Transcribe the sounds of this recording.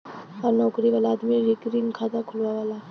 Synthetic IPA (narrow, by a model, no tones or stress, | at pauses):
aɾnɔkɾiʋalaːd̪miɾikɾiŋkʰad̪akʰulʋaʋala